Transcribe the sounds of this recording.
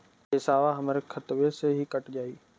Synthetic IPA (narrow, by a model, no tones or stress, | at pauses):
ɪsaːʋaɦɐmɾekʰɐt̪ʋeseɦikɐʈd͡ʑaːiː